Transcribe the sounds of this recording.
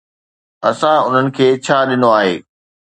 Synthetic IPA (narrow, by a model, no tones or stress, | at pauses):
ɐsãʊn̤ənɪ̆kʰeːt͡ɕʰaːɗɪnoaːɦḛː